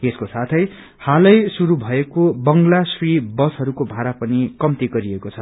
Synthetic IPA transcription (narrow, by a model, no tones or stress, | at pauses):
eskosat̪ʰʌj | halʌjsuɾubʱʌekobʌŋɡlasribʌsɦʌɾukobʱaɾapʌnikʌmt̪iɡʌɾiekot͡sʰʌ